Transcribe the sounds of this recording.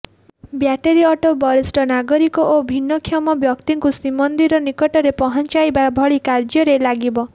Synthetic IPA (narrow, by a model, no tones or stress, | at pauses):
bjaʈeɾiɔʈobɔɾisʈɔnaɡɔɾikɔʔobʱinːɔkʰjɔmɔbjɔkt̪iŋkusimɔnd̪iɾɔnikɔʈɔɾepɔɦɔnt͡ʃajbabʱɔɭikaɾd͡ʒjɔɾelaɡibɔ